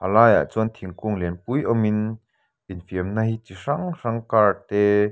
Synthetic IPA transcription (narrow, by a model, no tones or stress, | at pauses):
ʔalaːja̰ʔt͡sunt̪ʰiŋkuŋlinpujʔɔmin | infiəmnahit͡siʂaŋraŋkaːrt̪ɛ